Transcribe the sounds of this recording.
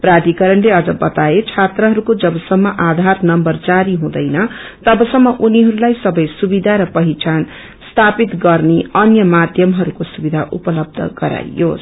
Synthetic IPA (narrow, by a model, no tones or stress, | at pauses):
prad̪ikʌɾʌɳleʌd͡zʌbʌt̪aet͡sʰat̪rʌɦʌɾukod͡zʌbʌsʌmːʌʔad̪ʱarnʌmbʌrd͡zaɾiɦũd̪ʌjnʌ | t̪ʌbʌsʌmːʌʔuniɦʌɾulajsʌbʌjsubid̪ʱaɾʌpʌɦit͡sʰan | st̪ʰapit̪ɡʌrneʌnjʌmad̪ʱjʌmɦʌɾukosubid̪ʱaʔupʌlʌb̚d̪ʱʌ̰ɡʌɾa̰jo̰s